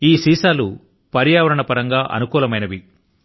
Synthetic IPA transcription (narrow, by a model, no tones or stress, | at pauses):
iːsiːsaːlu | pɐɾjaːʋɐɾɐɳɐpɐɾɐŋɡaːʔɐ̰nukuːlɐmɐjnɐʋi